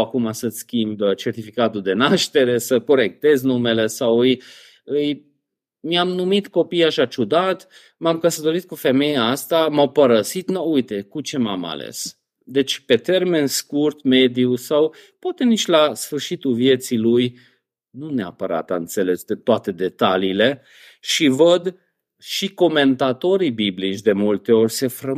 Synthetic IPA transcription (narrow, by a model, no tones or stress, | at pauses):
akumasəskʲimbt͡ʃe̞rt̪ifikat̪uld̪e̞naʃt̪e̞ɾe̞səko̞ɾe̞k̚t̪e̞znume̞le̞sawɨj | ɨj | mjamnumit̪ko̞pijaʃat͡ʃud̪at̪ | mamkəsət̪o̞ɾit̪̚kufe̞me̞jaast̪amawpəɾəsit̪noujt̪e̞kut͡ʃe̞mama̰lḛs | d̪e̞t͡ʃʲpe̞t̪e̞rme̞nskurt̪me̞d̪iusaw | pwat̪e̞nit͡ʃʲlasfɨrʃit̪ulvje̞t̪siluj | nunea̰pəɾa̰t̪aɨnt̪se̞le̞sd̪et̪oat̪e̞d̪e̞t̪aliːle̞ | ʃivəd̪ | ʃiko̞me̞nt̪at̪o̞ɾibiblit͡ʃʲd̪e̞mult̪e̞o̞rʲse̞fɾə